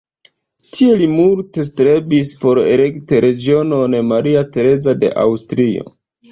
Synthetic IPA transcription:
tʰie̞limulte̞stɾe̞bispo̞ɾḛle̞kteɾe̞ɡio̞no̞nemaɾiate̞ɾe̞zade̞̰ʔa̰wstɾio̞̰

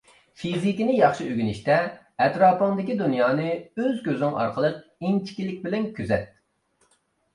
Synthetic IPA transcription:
fʰizikʲinɪjɑχʃiʔøɡʲyniʃt̪ɛ | ɛt̪ɾɑːpʰəŋd̪ɪkʲid̪unjɑːnɨøzɡʲøzɪŋɑ̰ɾqʰəlˠəq̚int͡ʃʰi̥kʲilːɪkʲbɪlɛnkʲʰyzɛt̪̚

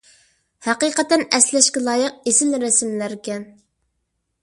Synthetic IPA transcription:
hæqiqət̪ɛnɛslɛʃkʲɛlˠɑːjəq̚esɪlɾɛsɪmlæɾkʲɛn

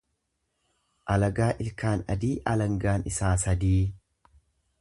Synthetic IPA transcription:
ʔɐlɐɡaːʔɪlkaːnɐ̰d̪iːʔɐlɐŋɡaːnɪsaːsɐd̪iː

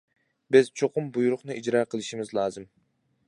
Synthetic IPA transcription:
bɪz̥t͡ʃʰoqʊmbujuɾʊχnɨʔid͡ʒɾɑːqʰəlˠɨʃimɪzlˠɑːzɨm

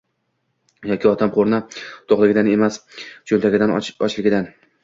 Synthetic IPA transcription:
jɒkʲɪɒt̪ʰamqʰoɾnat̪ʰoχlˠɪɡʲɪd̪ane̞mast͡ʃʰolʲt̪ʰaɡʲɪd̪anɒt͡ʃlɪɡʲɪd̪an

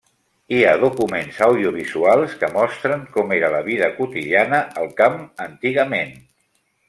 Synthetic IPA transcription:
iaðukumenzəwðiuβ̞izualˠskəmɔst̪ɾəŋkɔmeɾələβ̞iðəkut̪iðianəəlˠkamənt̪iɣəmen

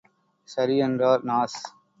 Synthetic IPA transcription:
sɐɾiːə̃nɾaːɾnaːs

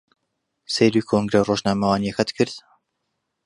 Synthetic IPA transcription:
sejɾukʰoŋɡɾeroːʒnaːmɐwɑːnijexɐt̪kʰɨɾd̪

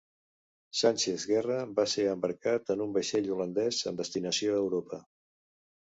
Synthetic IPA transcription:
sanʲt͡ʃezɣɛrəbaseəmbəɾkat̪ənumbəʃeʎulənd̪ɛzə̰md̪əst̪inəsioəwɾopə

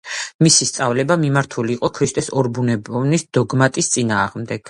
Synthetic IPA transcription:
misist̪sʼavlɛbamimaɾt̪ʰuliːqʼɔkʰɾiʃt̪ʼɛsɔɾbunɛbnisd̪̥ɔɡmat̪ʼist̪sʼinaːʁmd̪ɛɡ̥

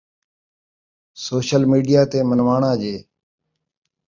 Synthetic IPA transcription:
soːʃəlmiːɖijaːt̪eːmənʋaːɳãːd͡ʒeː

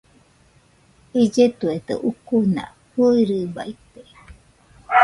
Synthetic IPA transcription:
id͡ʒet̪uet̪ḛʔukunã̰ | huɾɨbait̪e

